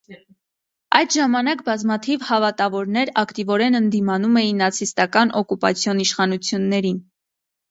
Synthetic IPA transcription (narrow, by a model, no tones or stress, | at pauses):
ɑjd̪ʒɑmɑnɑkbɑzmɑt̪ʰivhɑvɑt̪ɑvɔɾnɛɾɑkt̪ivɔɾɛnənd̪imɑnumɛjinːɑt͡sʰist̪ɑkɑnʔɔkupɑ̰t͡sʰjɔniʃχɑnut͡sʰjunːɛɾin